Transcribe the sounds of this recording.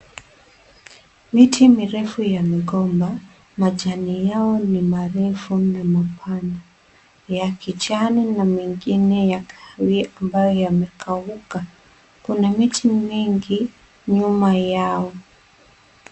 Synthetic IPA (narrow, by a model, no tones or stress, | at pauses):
mitʰimiɾɛfujamɛɠɔmba | maʄanijaɔnimaɾɛfunamapʰana | jakit͡ʃaninamiŋɡinɛjakʰawiambajɔjamɛkʰauka | kunamitʰimiŋɡi | ɲumajaɔ